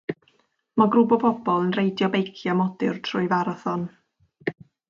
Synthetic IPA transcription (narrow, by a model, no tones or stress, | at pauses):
maɡrubɔbɔbɔlˠənrejdjɔbejkʰjamɔdɪrtʰrʊɨvaɾɔθɔn